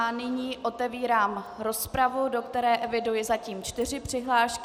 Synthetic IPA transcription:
anɪɲiːʔo̞t̪ɛviːɾaːmɾo̞spɾavudo̞kt̪ɛɾɛːʔɛvɪdujɪzaciːmt͡ʃt̪ɪrɪpr̥ɪɦlaːʃk

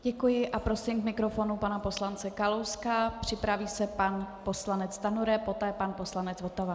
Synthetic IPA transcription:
ɟɛkujɪʔapɾo̞sɪmkmɪkɾo̞fo̞nupanapo̞slant͡sɛkalowskapr̝̥ɪpɾaviːsɛpanpo̞slanɛt͡st̪anuɾɛpo̞t̪ɛːpanpo̞slanɛt͡svo̞t̪ava

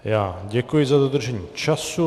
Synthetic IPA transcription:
jaːɟɛkujɪzadod̪r̩ʒɛɲiːt͡ʃasu

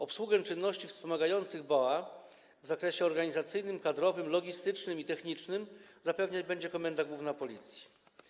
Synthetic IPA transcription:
ɔpswuɡɛt͡ʂɘnːɔɕt͡ɕifspɔmaɡajɔnt̪sɘɣbawa | vzakɾɛɕɛɔɾɡaɲizat̪sɘjnɘmkad̪ɾɔvɘmlɔɡʲist̪ɘt͡ʂnɘmit̪ɛxɲit͡ʂnɘmzapɛvɲad͡ʑbɛɲd͡ʑɛkɔmɛnd̪aɡwuvnapɔlʲit̪sʲji̥

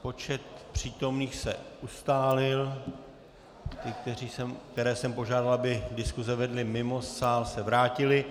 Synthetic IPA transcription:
po̞t͡ʃɛt̪̚pr̝̥iːt̪o̞mniːxsɛ̰ʔust̪aːlɪl | t̪ɪk̚t̪ɛriːsɛmk̚t̪ɛɾɛːsɛmpo̞ʒaːdalabɪdɪskuzɛvɛdlɪmɪmo̞saːlsɛvɾaːcɪlɪ

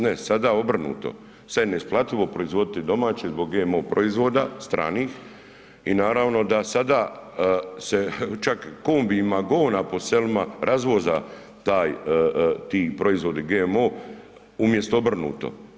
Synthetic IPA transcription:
nesad̪aːo̞br̩nṵːt̪o̞̰ | saneisplˠat̪liʋo̞pɾo̞izʋo̞d̪it̪id̪o̞maːt͡ɕezbo̞ɡɡeːmoːpɾo̞izʋoːd̪ast̪ɾa̰ːniːx | inaːɾaʋno̞d̪asad̪aː | set͡ʃakːoːmbimaɡo̞ːnapo̞selimaɾʔazʋoza | t̪aːj | t̪iːpɾo̞izʋo̞d̪iɡemoː | umje̞st̪oobr̩nṵːt̪o̞̰

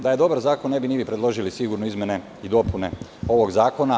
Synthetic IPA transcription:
d̪aje̞d̪o̞baɾzaːkonːe̞binibipɾe̞d̪lˠo̞ʒilisiɡuɾnoizmʲje̞ne̞ | id̪o̞pune̞ | o̞ʋoɡzaːko̞na

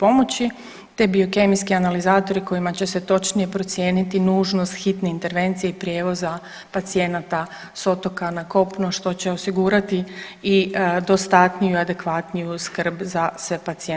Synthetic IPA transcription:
po̞mo̞t͡ɕi | t̪e̞bio̞ke̞miskianalizaːt̪o̞ɾiko̞jimat͡ɕe̞se̞t̪o̞t͡ʃnije̞pɾo̞t̪sje̞ːnit̪inuːʒno̞st̪xit̪neint̪e̞ɾʋe̞nt̪sijeipɾje̞ːʋo̞za | pat̪sije̞nat̪a | so̞t̪o̞kanako̞pnoʃt̪o̞t͡ɕe̞o̞siɡuːɾat̪i | id̪o̞st̪at̪nijuiad̪e̞kʋat̪nijuskr̩bzasʋe̞pat̪sie

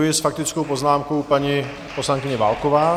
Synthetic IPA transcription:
ujɪsfak̚t̪ɪt͡skowpoznaːmkowpaɲi | poslaŋkɪɲɛva̰ːlkovaː

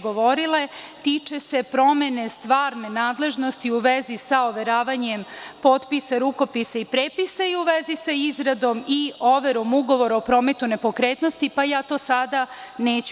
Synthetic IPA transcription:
ɡoʋo̞ɾilet̪it͡ʃe̞se̞pɾo̞me̞ne̞st̪ʋaːɾne̞naːd̪le̞ʒno̞st̪iuʋezisaoʋe̞ɾaːʋaɲempo̞ːt̪pisaɾuko̞pisaipɾeːpisaiuʋezisaizɾad̪o̞mioʋe̞ɾo̞muɡo̞ʋo̞ɾaopɾo̞ːme̞t̪une̞po̞kɾeːt̪no̞st̪ipajaːt̪o̞ːsad̪ane̞ːt͡ɕ

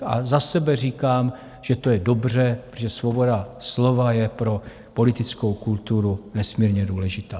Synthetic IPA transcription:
ʔa̰zasɛbɛr̝iːkaːm | ʒ̥ɛt̪o̞jɛdo̞br̝ɛpɾooʒɛsvo̞bo̞daslo̞vajɛpɾo̞ | po̞lɪt̪ɪt͡skowkult̪uɾunɛsmiːɾɲɛduːlɛʒɪt̪aː

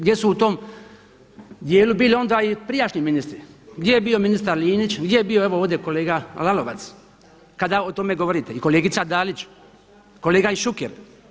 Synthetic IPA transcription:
ɡd̪je̞suut̪om | d̪jeːlubiːlio̞nd̪aipɾijaʃniminist̪ɾiɡd̪jejebio̞minist̪aɾliːnit͡ʃɡd̪jejebijoeʋo̞oːʋd̪ʲeko̞leːɡalalo̞ʋa̰t̪s | kad̪aot̪o̞me̞ɡoʋoɾiːt̪eiko̞leːɡit̪sad̪aːlit͡ʃ | ko̞leːɡaiʃukḛɾ

